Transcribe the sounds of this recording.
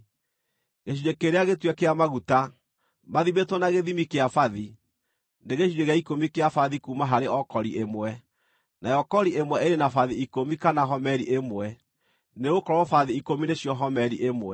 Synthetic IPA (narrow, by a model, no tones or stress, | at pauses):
ɣeɕiɾekeɾeaɣetwɛkeamaɣuta | maðimetwɔnaɣeðimikeafaði | neɣeʃiɾeɣeaikomikeafaðikumaɦaɾeɔkɔɾiʔemwɛ | najɔkɔɾiʔemwɛʔeɾenafaðiikomikanaɦɔmɛɾiʔemwɛ | neɣokɔɾɔɔfaðiikomineɕjɔɦɔmɛɾiʔemwɛ